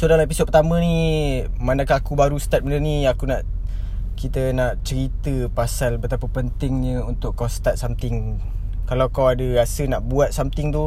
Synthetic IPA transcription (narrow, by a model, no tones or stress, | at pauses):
sodalaepisot̪̚pət̪amə̃nimanakaakubaɾust̪at̪̚mənəniakunaʔ | kit̪ənaʔt͡ʃəɾit̪əpasalbət̪apapənt̪ɪŋɲə̃unt̪ʊʔkːawst̪at̪̚samt̪ɪŋ | kalawkawadəɾasənaʔbuat̪̚samt̪ɪŋt̪u